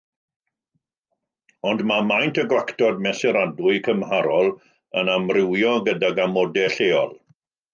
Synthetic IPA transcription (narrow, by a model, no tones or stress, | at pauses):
ɔndmamajntʰəɡwaktʰɔd̚mɛsɛɾadʊɨkʰəmhaɾɔlˠ | ənamrɪwjɔɡədaɡamɔdɛɬeːɔ̰lˠ